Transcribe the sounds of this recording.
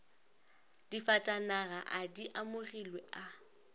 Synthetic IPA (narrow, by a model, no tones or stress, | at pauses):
d̥ifatʼanaɣaʔadiʔamʊrilwɛa